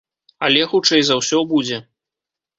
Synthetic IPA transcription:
ɐlʲɛxut͡ʂɛjzawsʲɔbud͡zʲɛ

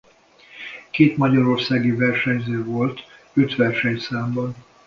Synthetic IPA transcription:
keːt̪mɒɟɒɾo̞rsaːɡivɛrʃɛɲzøːvo̞lt̪ | øt̪ʋɛrʃɛɲsaːmbɒn

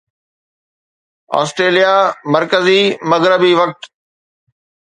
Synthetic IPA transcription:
a̰ːsʈɾeːlijamɐɾkəzimɐɣɾəbiʋɐk̚t̪

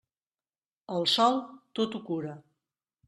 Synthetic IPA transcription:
əlˠsɔlˠt̪ot̪ukuɾə

